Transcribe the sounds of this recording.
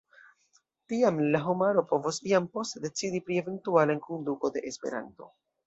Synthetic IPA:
tiamlaɦomaɾo̞po̞vosiampo̞stede̞t͡sidipɾie̞ve̞ntualankonduko̞de̞̰ʔespe̞̰ɾa̰nto̞̰

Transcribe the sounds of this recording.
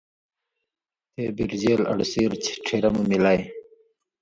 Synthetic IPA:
t̪ebiɾd͡ʑeːlɐ̰ɽsiːɾt͡ɕʰi̥ʈ͡ʂʰeɾɐmumilaj

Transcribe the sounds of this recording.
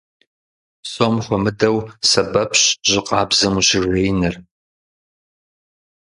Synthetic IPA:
sʼomxʷɔmɨdɐwsɐbɐpʰɕʑɪqɑːbzɐmuɕɪrejnɨr

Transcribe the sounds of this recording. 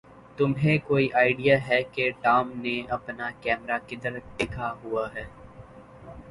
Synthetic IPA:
t̪ʊmɦẽkoːiʔaːɪɖijaɦɛkeʈaːmneɐpnakɛːmɾakɪd̪əɾɖɪkʰaɦuaɦɛː

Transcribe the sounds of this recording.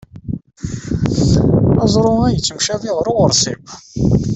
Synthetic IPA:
ɑzˤɾˤʊæjət͡sːəmʃæðɪʁɾʊʁəɾˤsḭb

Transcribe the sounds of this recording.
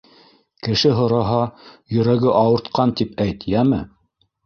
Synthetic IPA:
kɘ̆ʃɘɦŏɾɑɦɑjɵ̆ɾæɡɘʔɑwɤ̆ɾt̪qɑnt̪ipæjt̪jæmɘ̰

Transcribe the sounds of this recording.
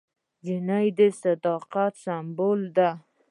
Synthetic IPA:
d͡ʒɪnajd̪esad̪ɑqat̪sambold̪a

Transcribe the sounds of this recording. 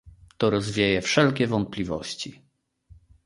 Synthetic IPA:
t̪ɔɾɔzvʲjejɛfʂɛlkʲɛvɔnt̪̚plʲivɔ̰ɕt͡ɕi

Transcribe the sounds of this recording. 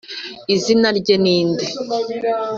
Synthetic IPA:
izinaɾɟeniːnde

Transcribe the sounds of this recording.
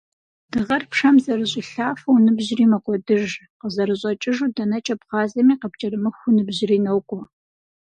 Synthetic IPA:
d̥ɨʁɐrpʰʂɐmzɐrɨɕʼɪɬaːfɐwnɨbʑriːmɐkʷʼɔdɨʒ | qəzɐɾɨʑʼɐt͡ʃʼɪʒudɐnɐt͡ʃʼɐpχɑːzɐmiːqəp̚t͡ʃʼɐrɨmɨxʷʊnɨbʑɪriːnɐwkʷʼɔ

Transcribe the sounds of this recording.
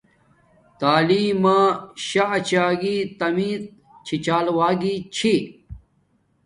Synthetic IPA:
t̪aːliːmãːɕat͡ɕaːɡiːt̪ɐmiːt̪̚ | t͡ɕʰit͡ɕaːlwaːɡiːt͡ɕʰi

